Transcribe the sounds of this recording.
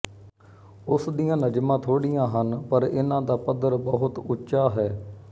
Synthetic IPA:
ʊsd̪ijãːnəd͡ʒmãːt̪ʰoːɽɪjãːɦənpəɾɪnãːd̪aːpəd̪əɾbəɦʊt̪ʊtːʃaːɦɛː

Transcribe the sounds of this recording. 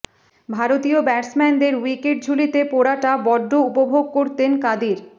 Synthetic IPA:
bʱaɾot̪iobɛɾsmɛnd̪eɾwikeʈ̚d͡ʑʱulit̪epoɾaʈabɔɖːoupobʱoɡ̚koɾt̪enkad̪iɾ

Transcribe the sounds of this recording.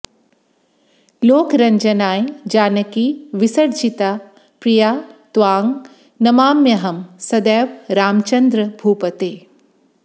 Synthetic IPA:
loːkɾɐɲd͡ʒɐnaːjd͡ʒaːnɐkiːʋisɐɽd͡ʒit̪aː | pɾijaːt̪ʋaːŋɡ | nɐmaːmjɐɦɐmsɐd̪ɛːʋɾaːmt͡ʃɐnd̪ɾɐbʱuːpɐt̪eː

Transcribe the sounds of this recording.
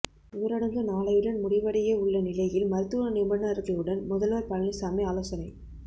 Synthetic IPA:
ʊːɾɐɽɐŋɡ̪ɯnaːɭɐjɯɽɐnmʊɽɪʋɐɽɐjɐʊɭːɐnɪlɐjɪlmɐɾɯt̪ːuːɐnɪmbɐnːaɾɯkɐjɯɽɐnmʊðɐlʋɐːɾpɐɻɐnɪsaːmeaːloːsɐnɐɪ

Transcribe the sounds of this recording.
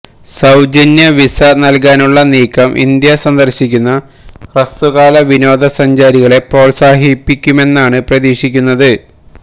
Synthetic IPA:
sɐwd͡ʑɐnjɐʋisɐnɐlkaːnuɭːɐniːkʰːɐmʔḭnd̪jɐsɐnd̪ɐrɕikʲːunːɐ | krɐst̪uɣaːlɐʋino̞ːd̪ɐsɐɲd͡ʑaːɾiɣɐɭe̞pro̞ːlsaːɦipːikʲːume̞nːaːɳɨprɐðiːʂikʲːunːɐðɨ

